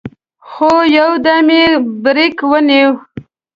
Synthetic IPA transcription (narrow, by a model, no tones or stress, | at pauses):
xojawd̪amebɾikwəniw